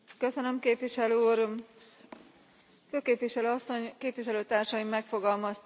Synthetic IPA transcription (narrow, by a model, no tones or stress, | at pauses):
kø̞sønø̞mkeːpʋiʃɛløuːr | føːkeːpʋiʃɛløːɒsːo̞ɲkeːpʋiʃɛløːt̪aːrʃɒjimːɛkfo̞ɡɒlmɒst̪